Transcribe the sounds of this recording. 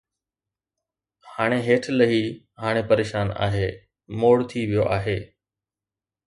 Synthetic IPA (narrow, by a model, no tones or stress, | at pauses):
haːɽ̃eɦeːʈʰlɐɦi | ɦaːɽ̃epɐɾeːʃaːna̰ːɦeː | moːɽt̪ʰiʋijoʔaːɦeː